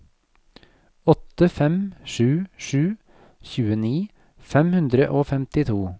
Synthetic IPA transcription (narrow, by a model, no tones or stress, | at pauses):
ɔt̪əfɛmʃʉːʃʉː | çʉːəniː | fɛmhʉnd̪ɾəʔoːfɛmt̪ɪt̪ʰuː